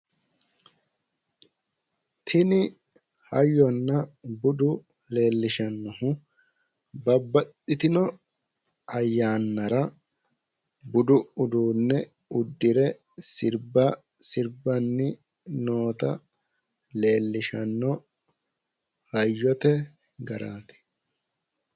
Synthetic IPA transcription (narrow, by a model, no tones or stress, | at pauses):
t̪ʰɪnɪ | hɐjːɔnːɐbʊd̪ʊ | le̞ːlːɪʃɐnːɔhʊ | bɐbːɐɗɪt̪ɪnɔ | ɐjːaːnːɐɾɐ | bʊd̪ʊʊd̪uːnːɛ | ʊd̪ːɪɾɛ | sɪɾbɐ | sɪɾbɐnːɪ | noːt̪ɐ | le̞ːlːɪʃɐnːɔ | hɐjːɔt̪ɛ | ɡɐɾaːt̪ɛ̥